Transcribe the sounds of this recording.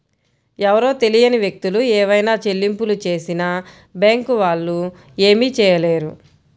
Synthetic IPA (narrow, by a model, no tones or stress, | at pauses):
ɛʋɐɾo̞ːt̪e̞lijɐniʋjek̚t̪uluɛːʋɐjnaːt͡ʃe̞lːimpulut͡ʃe̞ːsinɐ | baːŋkuʋaːɭːu | e̞ːmiːt͡ʃɛːjɐleːɾu